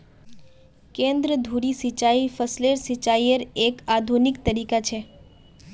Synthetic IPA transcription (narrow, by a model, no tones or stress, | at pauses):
kẽnd̪ɾəd̪ʱuɾisit͡ʃaifəsleɾsit͡ʃaiəɾekad̪ʱunikt̪əɾikat͡ʃʰe